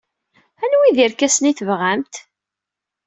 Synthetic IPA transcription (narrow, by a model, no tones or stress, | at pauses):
ænwiðiɾkæsniθəvʁæmt̪